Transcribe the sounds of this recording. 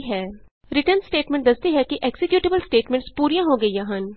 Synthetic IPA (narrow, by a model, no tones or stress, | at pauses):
ɦɛː | ɾɪʈəɾnsʈeːʈmẽɳʈ̚d̪ɐst̪iɦɛkiʔeːksɪkjuːʈɪbəlsʈeːʈmẽɳʈspuːɾijãɦoɡɐijaɦɐn